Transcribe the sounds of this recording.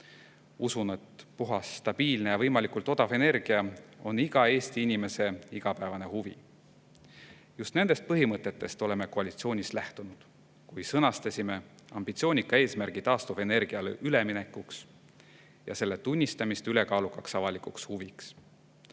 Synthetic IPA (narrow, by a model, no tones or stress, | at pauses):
usunet̪puɦɑst̪ɑb̥iːlne̞jɑvɤjmɑlikult̪ˑo̞d̪̥ɑve̞ne̞rɡ̥iɑo̞niɡ̥ɑe̞ːst̪iinʲime̞se̞iɡ̥ɑpæevɑne̞huvḭ | just̪ne̞nd̪e̞st̪̚pɤɦimɤt̪ːˑe̞t̪ːe̞st̪o̞le̞me̞ko̞ɑlit̪sio̞ːnʲislæht̪unud̪̥ | kujsɤnɑst̪ɑsʲime̞ɑ̰mb̥it̪sio̞ːnʲikːˑɑe̞ːsmærɡ̥it̪ɑːst̪uve̞ne̞rɡ̥iɑlʔyle̞mine̞kːuks | jɑ̰se̞lːe̞t̪unʲːist̪ɑmist̪yle̞kɑːlukɑksɑvɑlikukshuviks